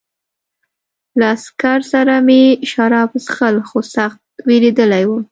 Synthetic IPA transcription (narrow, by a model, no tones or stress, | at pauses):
laːskaɾsaɾameʃaɾɑpsxəlxosaxt̪̚weɾed̪əlajwu